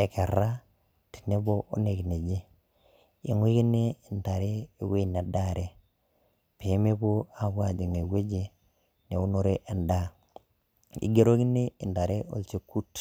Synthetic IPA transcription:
ɛ˨ke˨ɾa˦ | ti̥˨ne˦bo˦ʔo̰˦ne˨kne˨d͡ʒe˦ | ḭ˨˦ŋwi˦ki˦ne˦i˨nda˨ɾe˦e˦we˦˨n˨a˨da˦˨ɾʔe˦ | pe˨˦me˦bo˦a˦ɡwa˦˨d͡ʒi˨ŋe˨ɡwe˦d͡ʒe˦ | ne˨u˦no˦ɾe˦ʔɛ˨nda˦ | ḭ˨ɡe˦ɾo˦ki˦ne˦ɪ˨nda˨ɾe˦ʔo̰˦lt͡ʃe˦kːu˦t

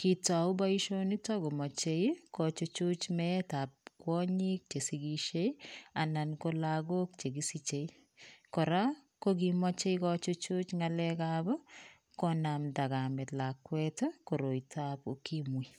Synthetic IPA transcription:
ki˨ta˨u˦ba˦iʃo˦ni˦tɔ˦ɡo˨mɔ˨t͡ʃekɔt͡ʃot͡ʃu˦t͡ʃmɛta˨p̚kwɔɲi˦k̚t͡ʃe˨siɡiʃe˦ianankolaɡo˦k̚t͡ʃe˨ɡi˦sit͡ʃei | kɔ˨ɾa˦kokima˦t͡ʃe˦ikɔt͡ʃo˦t͡ʃu˦t͡ʃŋalɛkabɔ˦ | kɔnamda˨ɡamɛ˨tla˨kwɛtɔko˨ɾo˨jtʰapu˦kimwi˨

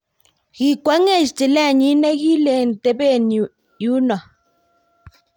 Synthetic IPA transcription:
ɣ̥i˨kwa˨˦ŋe˦˨ʃte˨lɛ˦˨ɲi˨˦ne˦ɣi˦le˨n˨te˨˦be˦˨n˨ | ju˦na˨

